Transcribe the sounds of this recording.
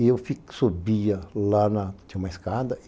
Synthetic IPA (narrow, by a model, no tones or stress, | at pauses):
iewfiksubiɐlanɐ̥t̪ĩũmɐiskad̪ɐ